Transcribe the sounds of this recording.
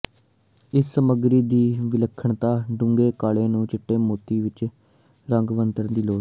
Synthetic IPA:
ɪsːəməɡɾiːd̪iːʋɪləkʰːəɳt̪aːɖʊ̃ŋɡeːkaːɭeːnũːt͡ʃɪʈːeːmoːt̪iːʋɪt͡ʃ | ɾəŋɡʋənt̪əɾnd̪iːloː

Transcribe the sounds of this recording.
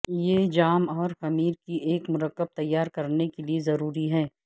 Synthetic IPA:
jeːd͡ʒaːmɔːɾxɐmiːɾkiʔeːkmʊɾəkːəb̚t̪ɐjːaːɾkɐɾnekeliezɐɾuːɾiɦɛː

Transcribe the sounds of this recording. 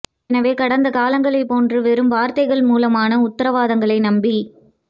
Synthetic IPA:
nɐʋeːkɐɽɐnd̪ɐkaːlɐŋɡɐɭɐɪpːoːndrɯʋɛɾɯmʋaːɾt̪ɐɪɣɐɭmuːlɐmaːnɐʊt̪ːɐɾɐʋaːðɐŋɡɐɭɐɪnɐmbɪ

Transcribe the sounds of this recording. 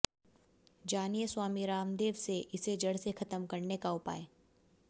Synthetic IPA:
d͡ʒaːnijəswaːmiɾaːmd̪eːʋseʔɪsed͡ʒɐɽsexɐt̪əmkɐɾnekaʊpa̰ːe

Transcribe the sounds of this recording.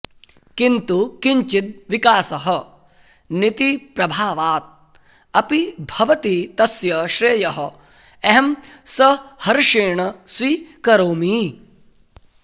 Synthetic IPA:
kint̪ukiɲt͡ʃit̪̚ʋikaːsɐɦɐ̆ | nit̪ipɾɐbʱaːʋaːt̪̚ | ɐpibʱɐʋɐt̪it̪ɐsjɐʃɾeːjɐɦɐ̆ | eɦɐmsɐhɐɾʂeːɳɐsʋiːkɐɾoːmi

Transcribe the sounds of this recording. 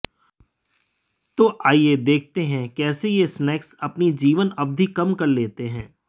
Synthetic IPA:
t̪oːʔaːied̪eːk̚ʰt̪eɦɛ̃kɛːsejesnɛːksɐpnid͡ʒiːʋənɐb̚d̪ʱikɐmkɐɾleːt̪eɦɛ̃ː

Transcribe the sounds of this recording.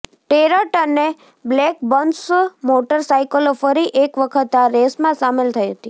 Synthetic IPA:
ʈeɾəʈəne | blek̚bənsmoʈəɾsajkəlofəɾiʔekʋəkʰət̪aɾesmãsamelt̪ʰəjɦət̪i

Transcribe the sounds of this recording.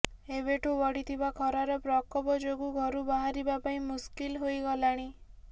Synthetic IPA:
eβeʈʰubɔɽit̪ʰibakʰɔɾaɾɔpɾɔkɔbɔd͡ʒoɡuɡʱɔɾubaɦaɾibapaĩmuskilɦojɡɔlaɽ̃i

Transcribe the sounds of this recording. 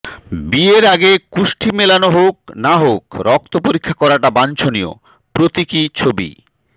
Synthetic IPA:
bieɾaɡekuʃʈʰimelanoɦok̚naɦokɾɔk̚t̪opoɾikʰːakɔɾaʈabant͡ɕʰonio̰ | pɾot̪ikit͡ɕʰobḭ

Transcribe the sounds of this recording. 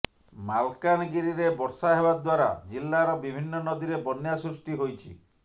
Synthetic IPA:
malkanɔɡiɾiɾebɔɾsaɦebad̪waɾa̰d͡ʒilːaɾɔbibʱinːɔnɔd̪iɾebɔnjasɾusʈiɦojt͡ʃʰḭ

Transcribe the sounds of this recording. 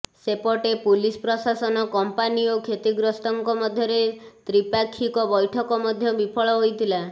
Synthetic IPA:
sepɔʈepulispɾɔsasɔnɔkɔmpaniokʰet̪iɡɾɔst̪ɔŋkɔmɔd̪ʱjɔɾet̪ɾipakʰːikɔbɔjʈʰɔkɔmɔd̪ʱjɔbipʰɔɭɔɦojt̪ʰila

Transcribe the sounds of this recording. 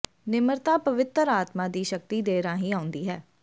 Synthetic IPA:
nɪməɾt̪aːpəʋɪt̪əɾaːt̪mãːd̪iːʃək̚t̪iːd̪eːɾãːɦiːaːʊ̃nd̪iːɦɛː

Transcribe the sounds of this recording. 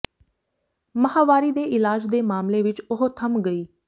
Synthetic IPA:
məɦaːʋaːɾiːd̪eːɪlaːd͡ʒd̪eːmaːmleːʋɪt͡ʃʊɦot̪ʰəmɡəiː

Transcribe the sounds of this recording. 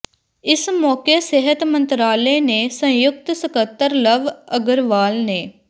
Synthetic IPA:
ɪsmɔːkeːseɦət̪mənt̪ɾaːleːneːsə̃jʊk̚t̪səkət̪ːəɾləʋəɡəɾʋaːlneː

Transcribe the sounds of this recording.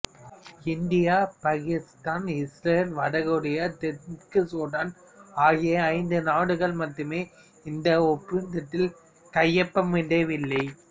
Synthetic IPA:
ɪnd̪ɪjaːpɐɣɪst̪aːnɪsɾɐːlʋɐɽɐɣɯɽɐjɐt̪ɛɾkɯsoːɽɐn | aːɣɪjjɐɐɪnd̪ɯnaːɽɯɣɐɭmɐʈːɯmeː | ɪnd̪ɐɔpːɪɯnd̪ɐʈːɪl | kɐjːɐpːɐmʋɪɳɖeːʋɪlːɐɪ

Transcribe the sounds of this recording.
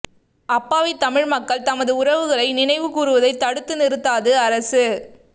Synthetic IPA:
ɐpːaːʋɐɪt̪ːɐmɪɻmɐkːɐɭt̪ɐmɐðɯʊɾɐʋɯɣɐɭɐɪnɪnɐɪʋɯkuːrɯʋɐðɐɪt̪ːɐɽɯt̪ːɯnɪɾɯt̪ːaːðɯɐɾɐsɯ

